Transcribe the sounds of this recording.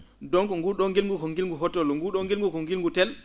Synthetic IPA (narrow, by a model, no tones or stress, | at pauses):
dɔŋkɔŋɡuɗɔŋɡilŋɡukɔŋɡilŋɡuɦɔtːɔlɔŋɡuɗɔŋɡilŋɡukɔŋɡilŋɡutɛl